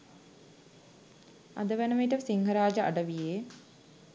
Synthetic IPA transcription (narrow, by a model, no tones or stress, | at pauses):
a̰d̪əʋænəmiʈəsiŋɦəɾaːd͡ʒəʔa̰ɖəʋijeː